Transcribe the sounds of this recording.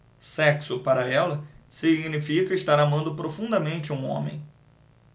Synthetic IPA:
sɛksʊpaɾɐɛlɐsiɡnifikɐɪʃt̪aɾamɐ̃nd̪ʊpɾofũnd̪ɐmẽnt͡ʃɪũõ̰mḛ̃j̃

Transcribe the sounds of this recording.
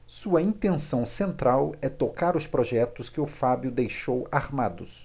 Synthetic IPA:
suɐĩt̪ẽsɐ̃w̃sẽnt̪ɾawɛt̪okaɾʊspɾɔʒɛt̪ʊskɪʊfabjʊd̪ejʃowaɾmad̪ʊs

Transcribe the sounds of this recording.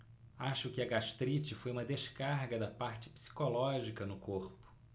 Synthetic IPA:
aʃʊkɪɐɡaʃt̪ɾit͡ʃɪfojũmɐd̪eʃkaɾɡɐd̪ɐpaɾt͡ʃɪ̥psi̥kolɔʒikɐnʊkoɾpʊ̥

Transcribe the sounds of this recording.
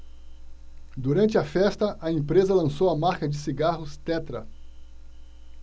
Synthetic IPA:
d̪uɾɐ̃nt͡ʃɪɐfɛst̪ɐʔɐẽpɾezɐlɐ̃sowɐmaɾkɐd͡ʒɪsiɡaɦʊst̪ɛt̪ɾɐ

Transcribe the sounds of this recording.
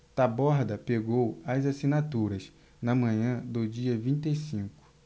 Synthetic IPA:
t̪abɔɾd̪ɐpeɡowɐzasinat̪uɾɐs | nɐmɐ̃ɲɐ̃d̪ʊd͡ʒiɐvĩt̪esĩkʊ̥

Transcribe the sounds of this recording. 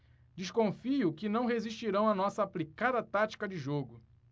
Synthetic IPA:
d͡ʒiʃkõfiʊkɪnɐ̃w̃ɦeziʃt͡ʃiɾɐ̃w̃ɐnɔsɐːplikad̪ɐt̪at͡ʃi̥kɐd͡ʒɪʒoɡʊ

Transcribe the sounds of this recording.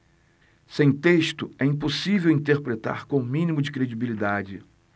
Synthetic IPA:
sẽj̃t̪eʃt̪ʊɛĩposivewĩt̪eɾpɾet̪a̰ɾkõmĩnimʊd͡ʒɪkɾed͡ʒibilid̪ad͡ʒɪ

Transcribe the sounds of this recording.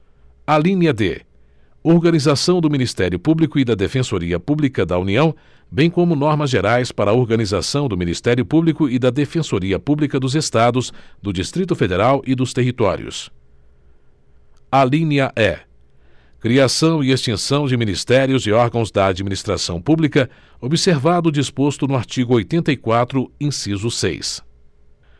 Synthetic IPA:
alĩnɐd̪ḛ | oɾɡɐnizasɐ̃w̃d̪ʊminist̪ɛɾjʊpublikʊɪd̪ɐd̪efẽsoɾiɐpublikɐd̪ɐuniɐ̃w̃ | bẽj̃kõmʊnɔɾmɐzʒeɾajspaɾɐoɾɡɐnizasɐ̃w̃d̪ʊminist̪ɛɾjʊpublikʊɪd̪ɐd̪efẽsoɾiɐpublikɐd̪ʊzest̪ad̪ʊzd̪ʊd͡ʒist̪ɾit̪̬ʊfed̪eɾawʔɪd̪ʊst̪eɦit̪ɔ̰ɾjʊ̰s | alĩnɐʔɛ | kɾiasɐ̃w̃ɪest͡ʃ̪ẽsɐ̃w̃d͡ʒɪminist̪ɛɾjʊzɪɔɾɡɐ̃w̃zd̪ɐad͡ʒiminist̪ɾasɐ̃w̃publikɐ | obiseɾvad̪ʊd͡ʒispost̪ʊnʊaɾt͡ʃiɡʊojt̪ẽnt̪ɐikwat̪ɾʊĩsizʊsḛjs

